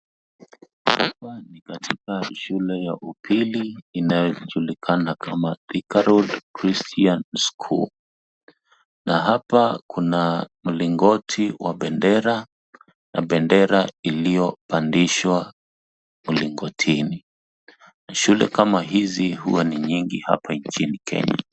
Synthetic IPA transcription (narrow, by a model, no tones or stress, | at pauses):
ha̰panikatʰikaʃulɛjaʔupʰiliːnajɔʄulikʰanakamaðikaɾɔdkɾistʰianskʰṵ | naɦapakunam̩liŋɡɔtʰiwaɓɛndɛɾa | nʔa̰ɓɛndɛɾailijɔpandiʃwa | muliŋɡɔtʰini | naʃulɛ̰kamaɦizihṵwaniɲiŋɡiha̰pʰaɲt͡ʃinikʰɛ̰ɲa̰